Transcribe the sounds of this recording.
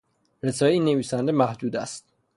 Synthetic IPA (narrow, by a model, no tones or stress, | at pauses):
ɾezɒːeiːnːeviːsænd̪mæhd̪uːd̪æst̪̚